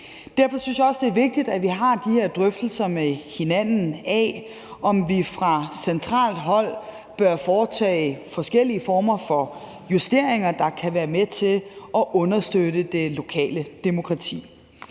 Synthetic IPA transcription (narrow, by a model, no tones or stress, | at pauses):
d̥æɐfɒ̽synsjɑ̈ɒ̽sd̥e̝æɐʋe̝ɡ̥̚d̥id̥æʋiɦɑ̈d̥iheɐd̥ʁœfd̥l̩sɐmehe̝næn̰n̩ɛ | ʔɒ̽mʋifʁɑ̈sent͡sʰʁɑ̰̈ːld̥ɦɒ̽l̰ | b̥ɶɐfɒːt͡sʰɛ̰ːɪfɒ̽sɡ̥el̰iəfɒːmɐfɒ̽ | jusd̥e̝ɐe̝ŋɐd̥ɑ̈kʰæʋæːɐmet͡sʰe̝lʔɒ̽ʔɔ̽nɐsd̥øɾəd̥e̝lo̝kʰɛ̰ːləd̥emo̝kʰʁɑ̈t͡sʰḭː